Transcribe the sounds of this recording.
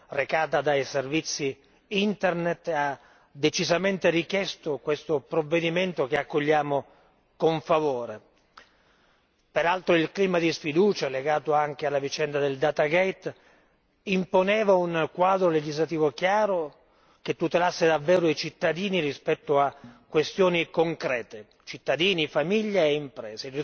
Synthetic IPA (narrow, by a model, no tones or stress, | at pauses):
rekaːt̪ad̪ajservit̪sːi | int̪ernet̪ːa | d̪ːet͡ʃizament̪erikjɛst̪okwest̪opɾovːed̪iment̪okeakːoʎːaːmo | koɱfavoːɾe | peɾalt̪ɾoilkliːmad̪isfid̪uːt͡ʃaleɡaːt̪oaŋk̟ealːavit͡ʃɛnd̪ad̪eld̪aːt̪aɡɛjt̪ | imponɛːvaunkwaːd̪ɾoled͡ʒizlat̪iːvokjaːɾo | ket̪ːut̪elasːed̪avːɛːɾoit͡ʃit̪ːad̪iːniɾispɛt̪ːoakːwest̪joːnikoŋkɾɛːt̪e | t͡ʃit̪ːad̪iːnifamiʎːeeimpɾɛːze